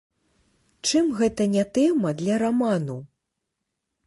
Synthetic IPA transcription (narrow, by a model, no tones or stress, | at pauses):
t͡ʂɨmɣɛt̪ɐnʲɛt̪ɛmɐd̪lʲɐɾamanu